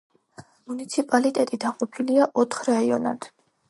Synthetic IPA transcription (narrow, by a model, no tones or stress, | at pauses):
munit̪sʰipʼalit̪ʼɛt̪ʼid̪aqʼɔpʰiliaʔɔt̪ʰχɾaiɔna̰d̪̥